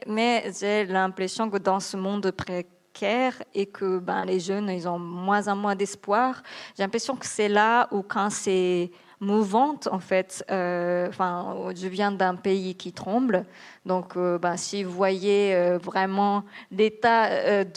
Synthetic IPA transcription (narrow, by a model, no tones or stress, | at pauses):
mɛʒelɛ̃pχesjɔ̃kəd̪ɑ̃səmɔ̃d̪pχe | kʰɛʁekʰəbɛ̰̃leʒœnilzɔ̃mwɛ̃zɑ̃mwɛ̃d̪ɛspwaːʁʒelɛ̃pχesjɔ̃kə̥sɛlaukʰɑ̃sɛ | muvɑ̃t̪ɑ̰̃fɛt̪øɑ̃fɛ̃ʒəvjɛ̃d̪ɛ̃peikʲit̪χɑ̃bl | d̪ɔ̃købasiuvwajeøvʁɛmɑ̃let̪aø